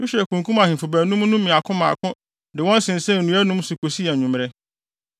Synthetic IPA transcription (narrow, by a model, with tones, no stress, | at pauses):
jo˦ɕæ˨kũ˨ŋkʰũ˦mã˨hɪ̃˨fʊ˨bæ˨nũ˦m˦nũ˦mĩ˨a˨kʰʊ̃˦mã̰˨kʰʊ̃˦ | dɪ˨wɔ̃˦n˦sɪ̃˨n̩˨sɛ̃˦n̩˨nũ˦æ˦nũ˦m˦sʊ˨kʰo˨si˦ɛ˨ɲũ˨m˨ɾɛ˦